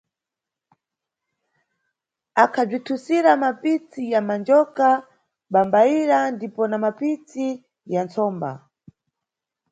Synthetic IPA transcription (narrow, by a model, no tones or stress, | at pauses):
akʰab͡ʐitʰusiɾamapit͡sijamand͡ʒɔka | ɓambaiɾandipɔnamapit͡si | jant͡sɔːmba̰